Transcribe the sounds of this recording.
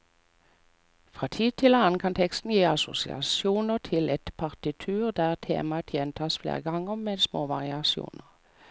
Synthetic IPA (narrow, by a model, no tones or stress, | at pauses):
fʁɑːt̪ʰiːd̪̚t̪ʰɪlhɑnkʰɑnt̪ʰɛkst̪n̩jiːɑsʊ̰sɪ̰ɑ̰suːnəʁt̪ʰɪlɛt̪pʰɑʁt̪ɪt̪ʰʉːʁd̪æːʁt̪ʰḛːmɑt̪ʰjɛːnt̪ʰɑːsflḛːʁəɡɑŋːəʁmɛːd̪smoːʋɑʁɪɑsɪṵːnəʁ